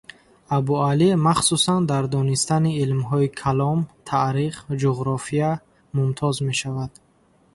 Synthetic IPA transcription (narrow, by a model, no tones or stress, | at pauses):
abualimaχsusand̪aɾd̪ɔnist̪aniːlmɦɔikʰalɔmt̪ʰaɾiχd͡ʒuʁɾɔfija | mumt̪ʰɔzme̞ʃavad̪̥